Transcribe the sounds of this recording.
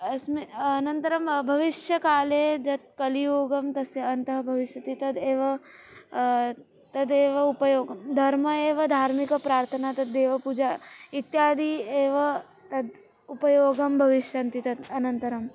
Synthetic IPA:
ɐsmeɐnɐnt̪ɐɾɐmbʱɐʋiʃjɐkaːleːd͡ʒɐt̪̚kɐlijoːɡɐmt̪ɐsjɐɐnt̪ɐɦɐbʱɐʋiʃjɐt̪it̪ɐd̪eːʋɐ | t̪ɐd̪eːʋɐupɐjoːɡɐmd̪ʱɐɾmɐeːʋɐd̪ʱaːɾmikɐpɾaːɾt̪ʰɐnaːt̪ɐd̪ːeːʋɐpud͡ʒait̪jaːd̪ʱieːʋɐ | t̪ɐd̪ | upɐjoːɡɐmbʱɐʋiʃjɐnt̪it̪ɐd̪ɐnɐnt̪ɐɾɐm

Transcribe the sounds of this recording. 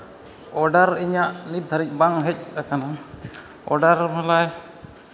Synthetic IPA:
ɔɖaɾiɲaʔnit̪̚d̪ʱaɾic̚ˀbaŋɦɛc̚ɾakana | ɔ̰ɖaɾmalaj

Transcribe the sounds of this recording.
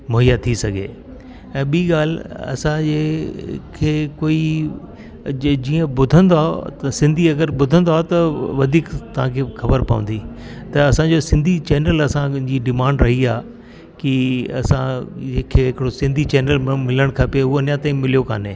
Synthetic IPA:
mʊɦijat̪ʰisɐɡʱḛː | ɛ̃ːɓiːɡaːl̤ɐ̰sãd͡ʑe | kʰeːkoːi | d͡ʑiːə̃bʊd̪ʱə̃nd̪oaːo̰t̪sɪ̃nd̪ʱiɐɡəɾbʊd̪ʱə̃nd̪oaːɦot̪ɐʋɐd̪ʱiːkt̪ɐʋ̤ãkʰeːxɐbəɾpɐ̰ʋə̰̃nd̪it̪ɐːsãd͡ʑosɪ̃nd̪ʱit͡ɕɛːnəlɐsãd͡ʑiːɖɪmãːɳɖɾɐɦiaː | kiɐ̰sãd͡ʑẽːkʰeːɦɪkɪɽosɪ̃nd̪ʱit͡ɕɛːnəlmɪləɽ̃kʰapeʊoɐnjãt̪ãːĩmɪlijoka̰ːneː

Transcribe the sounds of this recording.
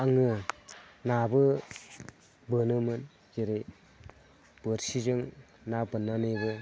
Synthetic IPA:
aŋɯ | nabɯ | bɯnɯmɯn | d͡ʒeɾe | bɯɾsid͡ʒɯŋ | nabɯnːanɯbɯ

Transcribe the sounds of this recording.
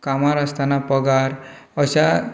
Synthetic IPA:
kamaɾast̪ʰanapəɡaɾəɕa

